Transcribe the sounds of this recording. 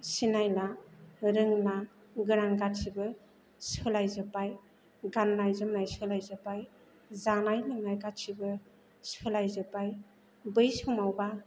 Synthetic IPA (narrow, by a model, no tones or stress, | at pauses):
sinajlaɾɯŋla | ɡɯɾaŋɡat̚sibɯ | sɯlajzɯpaj | ɡanːajzɯmnajsɯlajzɯpaj | zanajlɯŋnajkat̚sibɯ | sɯlajzɯpaj | bɯjsumawba